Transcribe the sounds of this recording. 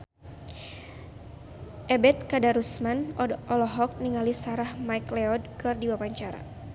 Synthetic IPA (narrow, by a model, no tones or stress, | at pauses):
ʔɛbɛt̪̚kadaɾusmanʔɔlɔɦɔk̚niŋalisaɾahmajklɛɔdkɨrdiwapaɲt͡ʃaɾa̰